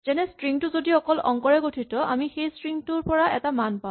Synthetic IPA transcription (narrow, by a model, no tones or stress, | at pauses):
z̥ɛnɛstɹiŋtuzodiɔkɔlɔ̰ŋkɔɹɛɡotʰitɔa̰mixejstɹiŋtʊɹpɔɹaɛtamanpã